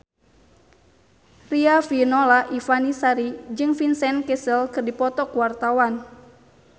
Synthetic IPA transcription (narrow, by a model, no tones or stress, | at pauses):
riafinɔlaʔifanisaɾid͡ʒɨŋfinsɛnkɛsəlkɨrdipɔt̪ɔkwart̪awan